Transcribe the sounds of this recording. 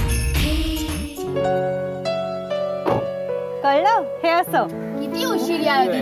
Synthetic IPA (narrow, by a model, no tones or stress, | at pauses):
kəjləheəsə | kit̪iːuɕiliaɦe